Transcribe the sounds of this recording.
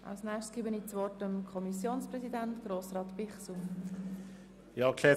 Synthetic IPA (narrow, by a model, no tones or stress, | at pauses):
ʔɑ̰lsnɛːʃtsɡ̥iːbəniːt͡sʋɔrtəmkʰɔmisjoːnsprɛsidæntɡ̥ɾoːsrɑːtpɪχsum | jɑkʰlɛː